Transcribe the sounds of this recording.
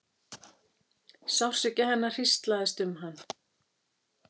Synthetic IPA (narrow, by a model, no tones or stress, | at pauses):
sawr̥sɪcahɛnːar̥ist̪laðɛst̪ʏmɦanː